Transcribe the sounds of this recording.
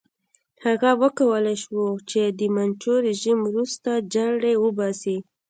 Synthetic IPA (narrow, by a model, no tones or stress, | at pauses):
haɣawəkawəlajʃwot͡ʃed̪əmant͡ʃoɾɪʒimwɾust̪ad͡ʒaɡɽewəbɑsi